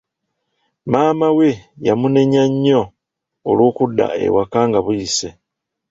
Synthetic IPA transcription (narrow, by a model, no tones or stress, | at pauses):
maːmawejamune̞ɲaɲːoː | loːkudːa̰e̞̰wakaːŋɡaβujise